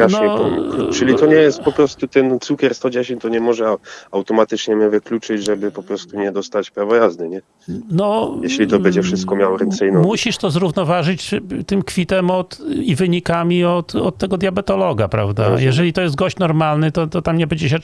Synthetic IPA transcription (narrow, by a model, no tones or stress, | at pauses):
aʃnɔɲɛpɔmt͡ʂɘlʲit̪ɔɲɛjɛst̪̚pɔpɾɔst̪ut̪ɛnt̪sukʲɛɾst̪ɔd͡ʑɛɕeɲt̪ɔɲɛmɔʐɛawt̪ɔmat̪ɘt͡ʂɲɛmɛvɘklʲut͡ʂɘd͡ʑʐɛbɘpɔpɾɔst̪uɲɛd̪ɔst̪at͡ɕpɾavɔjazd̪ɘɲɛ | nɔjɛɕlʲit̪ɔɛɲd͡ʑɛfʂɘst̪̚kɔmʲjawɔɾɛnt̪sɛjnɔmuɕiʂt̪ɔzɾuvnɔvaʐɘt͡ɕt̪ɘmkfʲit̪ɛmɔt̪ivɘɲikamʲiɔt̪ɔt̪ːɛɡɔd̪ʲjabɛt̪ɔlɔɡapɾa̰vd̪a̰jɛʐɛlʲit̪ɔjɛst̪ɡɔɕt͡ɕnɔɾmalnɘt̪ɔt̪ɔt̪amɲɛbɛɲd͡ʑɛɕ̬ɛ